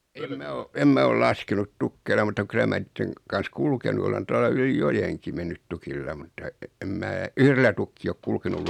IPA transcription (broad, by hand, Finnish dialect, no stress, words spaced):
em mæ o em mæ ol lɑskenut tukːeilɑ mutːɑ kylæ mæ niːtːeŋ kɑn̞s kulkenu olen tuɑlɑ yli jojeŋki menːyt tukilːɑ mutːɑ em mæː yhrelːæ tukːiː ok kulkenul